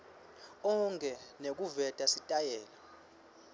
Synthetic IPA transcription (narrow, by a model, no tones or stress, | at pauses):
ɔŋkʰʼɛnek̬uvɛtʼasitʼajɛːla